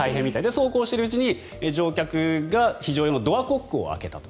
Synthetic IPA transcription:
aiɦẽmʲːit̪aid̪e̞so̞ːko̞ːɕi̥t̪e̞ɾɯ̟ɯ̟t͡ɕiɲ̟i | ed͡ʑo̞ːkʲakɯ̟ɡaçiʑo̞ːjonod̪o̞ako̞kːɯo̰a̰ke̞t̪at̪o̥

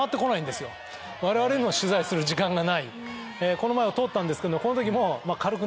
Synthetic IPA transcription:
at̪ːe̞ko̞naĩnd̪e̞sɨjo̞ | βaɾe̞βaɾe̞ɲʲioɕɨzaisɨɾɯ̟ʑikãŋɡanai | eko̞no̞maeot̪o̞ːt̪ːãnd̪esɨ̥ked̪omokonot̪o̞k̬ʲimo̞makaɾɯkɯ̟

